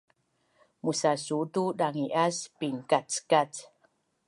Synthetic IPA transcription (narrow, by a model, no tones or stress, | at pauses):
musasutudaŋiʔaspiŋkat͡skat͡s